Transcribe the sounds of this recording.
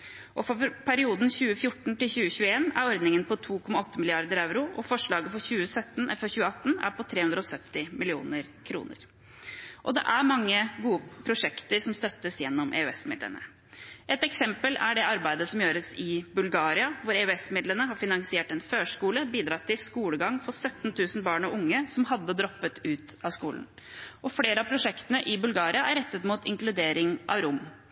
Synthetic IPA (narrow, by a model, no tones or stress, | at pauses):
ʔɔfɔpʰæɾɪuːd̪nçʉːəfjʊʈɳ̩t̪ɪlɕʉːəçʉːəeːnæ̰ɾɔɾd̪nɪŋənpɔt̪ʰuːkʰɔmːɑɔt̪ʰːəmɪlɪɑɾd̪əɾaʉɾʊʔɔfɔʂɭɑːɡəfɔɾçʉːəsœt̪ːnɛfɔçʉːəɑt̪ːn̩æ̰ɾpɔt̪ʰɾeːhʉnd̪ɾəɔsœt̪ːɪmɪlɪṵːnəɾkʰɾṵːnə̰ɾ | ʔɔd̪ɛ̰ʔæɾmɑŋːəɡuːəpʰɾʊʂɛkt̪əɾsɔmst̪œt̪ːəsjɛnːɔmʔḛʉɛsmɪ̰d̪lə̰nə̰ | ʔɛt̪ɛksɛmpəlæɖɛɑɾbæɪd̪əsɔmjøːɾəsɪbʉlɡɑːɾɪɑʋʊɾɛøɛsmɪd̪lənəɦɑɾfɪnɑŋsɪeːʈɛnføːʂkuːləbiːd̪ɾɑt̪ʰːɪlskuːləɡɑŋfɔsœt̪ːnt̪ʰʉːsn̩bɑːɳɔʊŋːəsɔmɦɑd̪ːəd̪ɾɔpːət̪ʉːt̪ɑskuːln̩ | ʔɔfleːɾəɑpʰɾʊʂɛkt̪ənəʔɪbʉlɡɑːɾɪɑæɾɛt̪ːət̪muːt̪ʰɪ̰ŋklʉd̪eːɾɪŋʔɑ̰ʋɾʊmː